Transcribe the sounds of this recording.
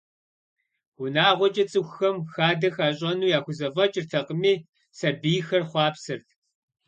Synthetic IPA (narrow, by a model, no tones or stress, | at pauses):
ʊnaːʁʷɔt͡ʃʼɐt͡sʼɨxʷxɐmxaːdɐxaːɕ̬ʼɐnuːjaːxʷʊzɐvɐt͡ʃʼrtʰɐqəmiː | sɐbiːjxɐrχʷɑːpsɨrtʰ